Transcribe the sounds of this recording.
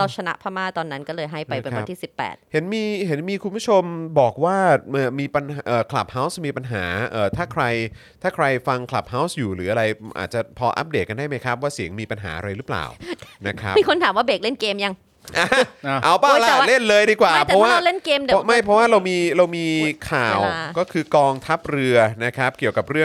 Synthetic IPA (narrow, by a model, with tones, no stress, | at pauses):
ɾa˧wt͡ɕʰa˧na̰˦˥ʔpʰaː˥˩maː˥˩t̪ɔː˧nːa˦˥nkɔː˥˩lɤː˧jɦa˥˩jpa˧jpe˧nwa˧˦t̪ʰiː˥˩si˨˩pːɛ̰ː˨˩t̪̚he˩˦nmiː˧ɦe˩˦nmiː˧kʰu˧npʰu˦˥˩t͡ɕʰo˧mbɔː˨˩k̚waː˥˩ʔaː˩miː˧pa˧nʔəː˨˩kʰla˨˩p̚ha˦˥wsmiː˧pa˧nɦa̰ː˩˦ʔəː˨˩t̪ʰaː˥˩kʰɾa˧jt̪ʰaː˥˩kʰɾa˧jfa˧ŋkʰla˨˩p̚ha˦˥wsjuː˨˩ɾɯː˩˦a˧ɾa˧jʔa̰ː˨˩t̪̚t͡ɕa˨˩pʰɔː˧ʔa̰˦˥p̚deː˨˩t̚ka˧ndaː˥˩jma˦˥jkʰɾa˦˥p̚waː˥˩si˨˩˦əŋmiː˧pa˧nɦa̰ː˩˦ʔa̰˧ɾa˧jɾɯ˦˥pla̰ː˨˩wna˦˥kʰɾa˦˥pmiː˧kʰo˧nt̪ʰaː˨˦mwaː˥˩beː˨˩k̚le˥˩nkeː˧mja˧ŋ | ʔaː˧˩˧ʔa˧˩wpaː˥˧˩la˨˩˦le˥˩nlɤː˧jdiː˧kwaː˨˩pʰɔ˦˥waː˥˩˥le˥˩nkeː˧mdɔ˥˩˥ma˥˩jpʰɾɔ˦˥waː˥˩ɾa˧wmiː˧ɾa˧wmiː˧kʰaː˨˩wkɔː˥˩kʰɯː˧kɔː˧ŋt̪ʰa˦˥p̚ɾɯ˧ɐna˦˥kʰɾa˦˥p̚ki˨˩əwka˨˩p̚ɾɯ˥˩əŋ